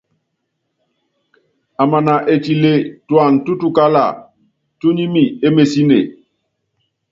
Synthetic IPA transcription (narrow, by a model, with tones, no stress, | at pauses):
a˨ma˨na˨ʔe˨t͡ʃi˨le˦twa˦˨ŋtu˦tu˦ka˦la̰˨ | tu˦ɲi˦mi˨e˦me˨si˦nḛ˨